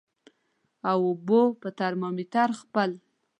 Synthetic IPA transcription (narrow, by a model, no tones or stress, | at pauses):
awobopət̪aɾmɑmit̪aɾxpəl